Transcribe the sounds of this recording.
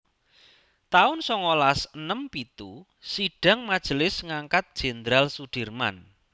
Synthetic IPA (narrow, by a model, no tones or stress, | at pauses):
t̪aʊnsɔŋolasənəmpit̪u | siɖ̥a̤ŋmad̥ʒ̥əlɪsŋaŋkat̪̚d̥ʒ̥e̤nd̪ɾalsuɖ̥i̤rma̰n